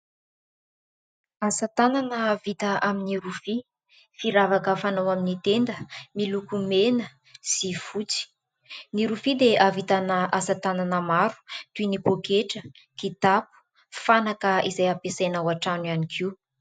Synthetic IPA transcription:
asət̪ananəːvit̪əʔaminiɾufi | fiɾavakafanawaminit̪end̪əmilukumenə | sifut͡si̥ | niɾufid̪eʔavit̪anaasat̪ananəmaɾu̥t̪uinikokeʈ͡ʂə | kit̪apu̥ | fanakəizajapesanawaʈ͡ʂanwianikʰiw

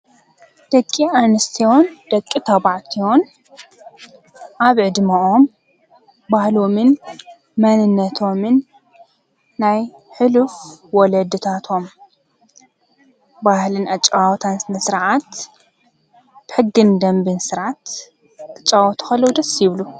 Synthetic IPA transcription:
d̪̥ɐkʼːianɨst̪ʰijo̞nd̪̥ɐkʼːit̪ʰɐβaʕt̪ʰio̞n | ʔaβʕɨd̪maʔo̞m | bahlomɨn | mɐnɨnːɐt̪ʰo̞mɨn | aj | ħɨlufwɔlɐd̪ɨt̪ʰat̪ʰo̞m | bahlɨnat͡ʃʼːwt̪ʰansnɨsɨɾʕat̪ | bɨħɨɡːɨnd̪ɐmbɨnsɨɾʕat̪ | kʰɨt͡ʃʼawɔt̪ʰu̥xɐlːɐwd̪ɐsːjɪβlu

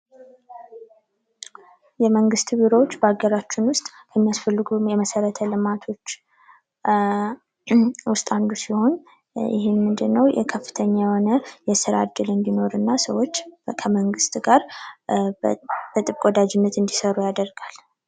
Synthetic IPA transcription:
jɛməŋɡɨst̪biɾowot͡ʃːbəaɡəɾat͡ʃːɪnwʊst̪ʼkʰəmːijasfəlːɨɡujɛməsəɾət̪ʰəlɨmat̪ʰo̞t͡ʃː | wʊst̪ʼand̪usiho̞n | jɪ̰hɪnmɨnd̪ɨnːəwjɛ̰kʰəfːɨ̥t̪ʰəɲːajɛho̞nəjɛsɨɾa̰d̪ːɨlɨnd̪ino̞ɾɨnːasəwo̞t͡ʃːkʰəməŋɡɨst̪ɡaɾ | b̥ət̪ʼɨβkʼod̪ad͡ʒɪnːət̪ɨnd̪isəɾujad̪əɾɡ̥al

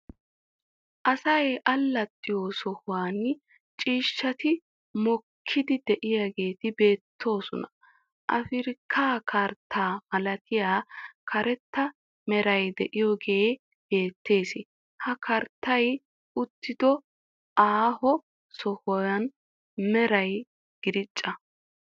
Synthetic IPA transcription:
ʔɐsɐjʔɐlːɐt̪ʼːɪjosɔhʊwaːn | t͡ʃʼiːʃːɐt̪ɪ | mɔkʰːɪd̪ɪd̪ɛʔɪjaɡeːt̪ɪbe̞ːt̪ʰːo̞ːsɔnɐ | ʔɐ̰fɪɾɪkʰːaːkʰɐɾt̪ʰːaːmɐlɐt̪ʰɪjaːkʰɐɾɛt̪ːɐ | mɛɾɐjd̪ɛʔɪjɔɡe̞ː | be̞ːt̪ʰːe̞ːsɪ | hɐkɐɾt̪ːɐj | ʔʊt̪ːɪd̪ɔ | ʔaːhɔ | sɔhɔjɐn | mɛɾɐj | ɡ̥ɪd̪ɪt͡ʃʼːɐ

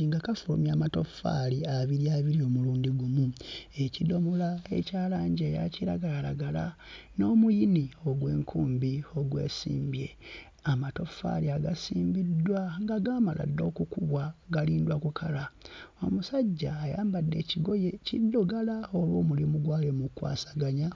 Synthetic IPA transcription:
iŋɡakafumjaːmato̞fa̰liaβiɾiaβiɾio̞ːmuluːndiɡumue̞cido̞mulae̞̰caːlaːɲɟeja̰ciɾaɡalala̰ɡala̰no̞ːmujinio̞ɡwe̞ːŋkʰuːmbio̞ɡwe̞̰ːsḭːmbje̞̰ | amato̞fa̰liaɡasiːmbidːwaŋɡaɡaːmala̰dːo̞ːkukuβwaɡaliːndwakukʰalao̞̰musaɟːaːjaːmbadːe̞ciɡo̞jecidːoɡalaolwoːmulimuɡwaːlemukwa̰ːsḁɡaɲa

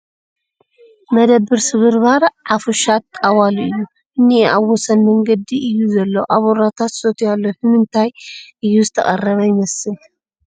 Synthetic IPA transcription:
mɐd̪ɐbːɨɾsɨβɨɾβaɾʕafuʃat̪̚kʼawaluʔɨjːu | ʔɨnːiaβwɔsɐnmɐŋɡɐd̪iʔɨjːuzɐlːoʔaβoɾat̪ʰat̪sot̪ʰujalːohɨmɨnt̪ʰajʔɨjːuzɨt̪ʰɐ̰χʼɐ̰rːɐβɐjɪmɐsɨl

